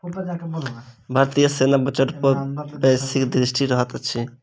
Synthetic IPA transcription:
bʱaɾt̪ijəsenabət͡ʃəʈpɔɾbɛ̃sikd̪ɾisʈiɾəɦət̪t͡ʃʰi

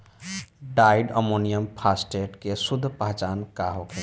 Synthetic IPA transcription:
ɖaiɖə̰monijəmpʰasʈeʈkesʊd̪ʱːpəɦt͡ʃaːnkaɦoke

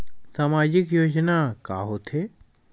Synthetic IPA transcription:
saːmaːd͡ʑɪkjoːd͡ʒnaka̰ːɦot̪ʰe

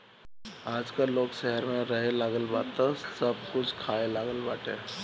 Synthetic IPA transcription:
aːd͡ʒkəloːɡʃɛɦəɾmẽɾɐɦelaːɡəlbaːt̪əsɐb̚kʊt͡ʃʰkʰaːelaːɡəlbaːʈeː

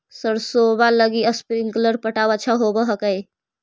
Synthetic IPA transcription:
səɾsobaləɡiəspɾiŋkələɾpəʈawət͡ʃʰaɦobəɦəkəj

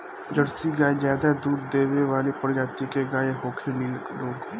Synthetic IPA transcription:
d͡ʒəɽsiɡaːizjaːd̪ad̪uːd̪ːeːweʋaːlepəɾd͡ʒaːt̪ikeɡaːeɦoːkʰinil | ɾoːɡ

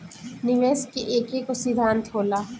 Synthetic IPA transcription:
nɪʋeːskeʔeːkekosid̪ʱaːnt̪ʰoːlaː

